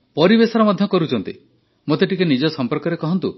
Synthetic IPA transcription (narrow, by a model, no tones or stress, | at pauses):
pɔɾibesɔɾɔmɔd̪ʱjɔkɔɾut͡ʃʰɔnt̪ḭ | mot̪eʈikenid͡ʒɔsɔmpɔɾkɔɾekɔɦɔnt̪u